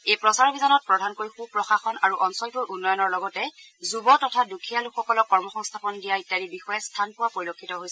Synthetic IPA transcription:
ejpɹɔsaɹɔbizanɔt̚pɹɔdʱankoɹixupɹɔxaxɔnaɹuʔɔnsɔlkujʔunːɔjɔnɔɹlɔɡɔtɛ | zubɔtɔtʰadukʰijalukxːɔkɔlɔkːɔɹmɔxɔŋstʰapɔndijaitaɹibixɔjɛstʰanpʊwapoɹilokʰːitɔɦojsɛ

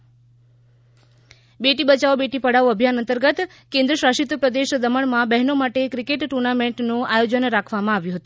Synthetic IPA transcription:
beʈibət͡ʃaobeʈipəɽaʋəbʱjanənt̪əɾɡət̪ | kẽnd̪ɾəʃɾaʃit̪pɾəd̪eʃd̪əməɳmãbɛɦnomaʈekɾikeʈʈːuɾnameɳʈnũajod͡ʒənɾakʰʋamãaʋjũɦət̪ũ̥

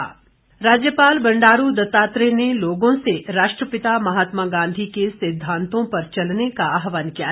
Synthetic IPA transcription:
ɾaːd͡ʒjəpaːlbɐ̃ɳɖaːɾud̪ɐt̪aːt̪ɾeneloːɡõseɾaːʃʈɾəpɪt̪amɐɦaːt̪maɡãːnd̪ʱikesɪd̪ʱːãːnt̪õpɐɾt͡ʃɐlnekaaːɦʋaːnkija

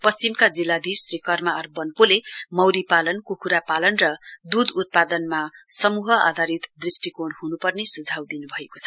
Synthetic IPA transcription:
pʌst͡simkad͡zilːad̪ʱisrikʌrmaʌrbʌnpolemʌwɾipalʌnkukʰuɾapalʌnrʌd̪ud̪ut̪̚pad̪ʌnmasʌmuɦʌa̰d̪ʱaɾit̪d̪risʈikoɽhunupʌrnesud͡zʱawd̪inubʱʌeko̥t͡sʰʌ

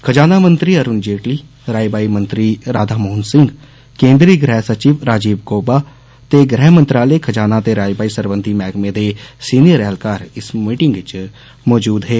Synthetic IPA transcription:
kʰəd͡ʒaːnaːmə̃nt̪ɾiəɾʊnd͡ʒeːʈliː | ɾaːjbaːimə̃nt̪ɾiɾaːd̪ʱaːmoːʊnsɪ̃ŋɡ | kẽːnd̪ɾiɡɾɛːɦsət͡ʃiːʋɾaːd͡ʒiːbɡoːbaː | t̪eɡɾɛːɦmənt̪ɾaːlekʰəd͡ʒaːnat̪eɾaːjbaːisəɾʋə̃nd̪ʱimɛːɡmẽd̪esiːnijəɾɛːlkaːɾɪsmiːʈɪ̃ŋɡt͡ʃ | mɔːd͡ʒuːd̪ɦɛː

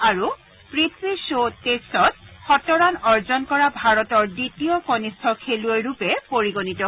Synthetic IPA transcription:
aɹu | pɹit̪ʰwisotesɔt̚xɔtɔɹanɔɹzɔnkɔɹabʱaɹɔtɔɹditiɔkɔnistʰɔkʰeluejɹupɛpoɹiɡonitɔ

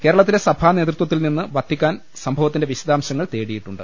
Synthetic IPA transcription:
ke̞ːɾɐɭɐt̪̬ːile̞sɐbʰʱaːne̞ːt̪rut̪wɐt̪̬ːilninːɨʋɐt̪ʰːikʲːaːn | sɐmbʱɐʋɐt̪ːinde̞ʋiɕɐd̪aːmɕɐŋːɐɭt̪e̞ːɽijiʈːuɳɖɨ

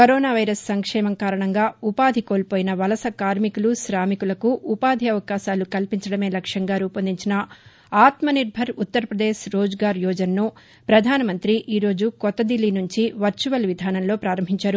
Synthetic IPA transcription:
kɐɾoːnaːʋɐjɾɐsːɐŋkʂɛːmɐŋkaːɾɐɳɐŋɡaːupaːd̪ʱikoːlpoːjinɐʋɐlɐsɐkaːɾmikulusɾaːmikulɐkuʔːpaːd̪ʱiɐʋɐkaːʃaːlukɐlpiɲt͡ʃɐɽɐme̞ːlɐkʂjɐŋɡaːɾuːpɐnd̪iɲt͡ʃinɐ | aːt̪mɐniɾbʱɐɾut̪ːɐɾɐpɾɐd̪eːʃɾoːd͡ʒɡaːɾjɔːd͡ʒɐnːu | pɾɐd̪ʱaːnɐmɐnt̪ɾiʔiːɾo̞ːd͡ʒukɔt̪ːɐd̪ilːinuɲt͡ʃiʋɐɾt͡ʃuʋɐlʋid̪ʱaːnɐnlo̞ːpɾaːɾɐmbʱiɲt͡ʃaːɾu

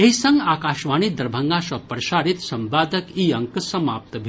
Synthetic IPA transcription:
eɦisɐŋɡaːkaːʃʋaːñid̪ɐɾbʱɐŋɡaːʃɐpɾɐʃaːɾit̪sɐmbaːd̪əkiːɐŋksɐma̰ːp̚t̪əbʱ

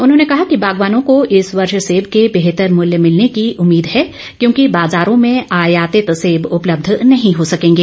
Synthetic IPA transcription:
ʊnɦõːnekɐɦakibaːɡʋaːnõkoʔɪsʋɐɾʃseːbkebeɦt̪əɾmʊljəmɪlnekiʔʊmːiːd̪ɦɛː | kjõːkibaːzaːɾõmẽaːjaːt̪et̪ɐseːbʊpləb̚d̪ʱnɐɦĩɦosɐkẽːŋɡeː

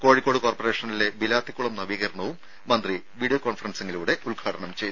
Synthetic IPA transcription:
ko̞ːɻikːo̞ːɽɨkoːrpɐre̞ːʂɐnile̞bilaːt̪ʰikːuɭɐmnɐʋiːɣɐrɳɐʋumː | ɐnd̪ri | ʋiːɽijokoːnfɐrɐnsɐŋːɡiluːɽe̞ulɡʰʱaːɽɐɳɐmt͡ɕej

